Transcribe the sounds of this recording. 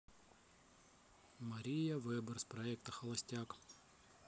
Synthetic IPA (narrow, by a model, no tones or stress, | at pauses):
mɐɾʲijɐvɨbərspɾɐɛk̚t̪ɐxɐlˠɐsʲtʲak